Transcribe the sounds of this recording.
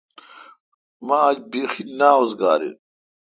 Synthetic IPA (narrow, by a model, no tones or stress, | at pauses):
mad͡ʑbiːxinaːozɡa̰ːɾḭ